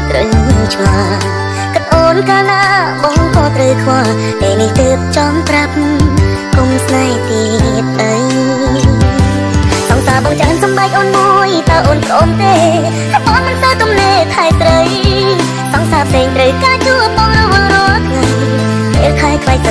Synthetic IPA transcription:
t̪rəwɲiəwt͡ɕʰŋɔ | kət̪̚ʔoːnkaːlaɓɑŋkɑːt̪rəwkʰʋɔə | peːniht̪əːp̚t͡ɕɑŋprap̚ | kumsnat̪iət̪̚ʔəj | sɑŋsaːɓɑŋt͡ɕansɑmɓaɛk̚ʔoːnmuəjt̪aʔoːnprʔoːnt̪eː | aɓanmɨnsəwt̪umneːt̪ʰaɛsrəj | sɑŋsaːpʰseːŋt̪rəwkaːt͡ɕuəɓɔŋrɔwəɾɔkʰŋaj | pet̪ʰaɛkʰlaj̚t̪ə

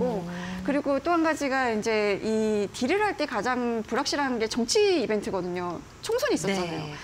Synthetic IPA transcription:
ɡokɯɾiɡot͈oɦanɡad͡ʑiɡaind͡ʑe̞itiɾɯɾɦaɭt͈e̞kad͡ʑaŋpuɾak̚ɕ͈iɾanɯnɡe̞t͡ɕʌŋt͡ɕʰiːbe̞ntʰɯɡʌdɯɲo | t͡ɕʰoŋsʰoɲiːs͈ʌtt͡ɕ͈ana̰jo̰

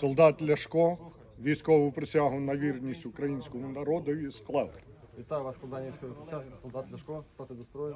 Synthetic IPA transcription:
sɔlˠd̪ɑt̪lʲɐʂkɔ | ʋʲijskɔʋʊpɾɪsʲaɦʊnɐʋʲirnʲisʲtʲʊkɾɐjinʲsʲkɔmʊnɐɾɔd̪ɔʋʲisklˠɑw | ʋʲit̪ajʋaʂsɔlˠd̪anʲʋijsʲkɔʋʊpɾɪsʲasɔlˠd̪at̪lʲɐʂkɔt̪at̪ɪd̪ɐst̪ɾɔjɪ

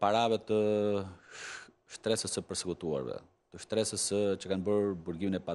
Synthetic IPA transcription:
paɾavɛt̪ə | ʃt̪ɾɛsəsəpəɾsəkut̪ua̰ɾvɛ̰ | t̪əʃt̪ɾɛsəsət͡ɕəkanbəɾbuɾɡiminɛpa

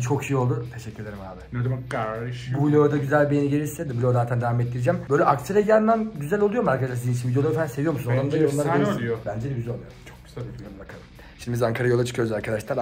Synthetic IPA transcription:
t͡ʃʰo̞kʰʃijio̞lˠd̪ut̪ʰe̞ʃɛcːyɾlʲe̞ɾimhaːbɪned̪ɡaʃbulʲoːd̪aɟyzælʲbijeniɟeɾʲiɾsɛd̪ɛbulʲo̞d̪aːt̪ʰænd̪evamet̪ːiɾid͡ʒæmb̥ø̞jlʲɛʔakt̪ʰɯɾeɟilænːanɟyzælʲolˠujo̞ɾmaɾkʰad̪aʃaɾsiint͡ʃivid̪jolˠaɾfænse̞vijo̞ɾmusunad̪amd̪ajonˠaɾajobænd͡ʒɛd̪ɛɟyzælʲolˠujoɾt͡ʃʰok̚ɟy̥zianbakʰalˠɯm | ʃimd̪ibizaŋkʰaɾajo̞lˠat͡ʃʰɯ̥kʰɯjøzaɾkʰad̪aʃlˠaɾ

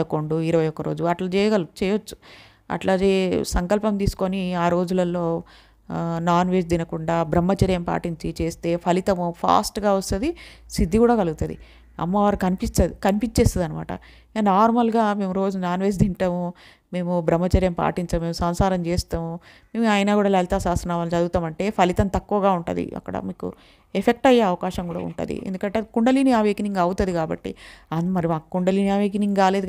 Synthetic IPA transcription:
ɐkoɳɖuiɾɐʋɐjɔkːɐɾo̞ːd͡ʒuɐʈlɐt͡ʃɛːjɐɡɐlt͡ʃɛːjot͡ʃːu̥ | ɐ̰ʈlaːɡeːsɐŋkɐlpɐmt̪iːsu̥koniaːɾo̞ːd͡ʒulɐlːo̞ː | naːnʋe̞ːd͡ʒd̪inɐkuɳɖaːbɾɐmːɐt͡ʃɐɾjɐmpa̰ːʈiɲt͡ʃit͡ʃe̞ːst̪e̞ːpʰɐlit̪ɐmupʰa̰ːsʈɡaːʋɐst̪ɐd̪isid̪ʱːikuːɽaːkɐluɡut̪ɐd̪ḭ | ɐ̰mːɐʋaːɾukɐnipist̪ɐd̪ikɐnipiɲt͡ʃːeːst̪ɐd̪ɐnɐma̰ːʈɐ̰ | anaːɾmɐlɡaːme̞ːmuɾo̞ːd͡ʒunaːnʋeːs̬d̪iɳʈɐːmu | me̞ːmubɾɐmːɐt͡ʃɐɾjɐmpa̰ːʈiɲt͡ʃɐːme̞ːmusɐmsaːɾɐmt͡ʃeːst̪aːmu | meːmuaːjnaːkuːɽaːlɐlit̪aːsaːst̪ɾɐnaːʋaːlt͡ʃɐd̪uɡut̪aːmɐɳʈe̞ːpʰɐlit̪ɐnt̪ɐkːuʋɐɡaːuɳʈɐd̪ḭɐ̰kːɐɽɐ̰miːkṵ | epʰek̚ʈɐjeɐʋɐkaːʃɐŋkuːɽa̰ːṵɳʈɐ̰d̪ḭʔḛnd̪ukɐɳʈeːkuɳɖɐliːniaːʋeːkniŋɡɐwut̪ɐd̪ikaːbɐ̰ʈːḭɐnmɐɾimaːkɐkuɳɖɐliːniaːʋeːk̬iniŋɡkaːle̞ːd̪

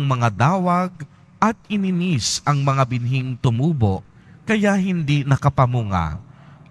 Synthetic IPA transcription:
ŋmɐŋad̪aːwɐɡ̚ | ʔɐt̪̚ɪnɪnisʔɐŋmɐŋabɪnɦiŋt̪ʊmuːboʔ | kɐjaɦɪnd̪inɐkɐpɐmuŋa̰

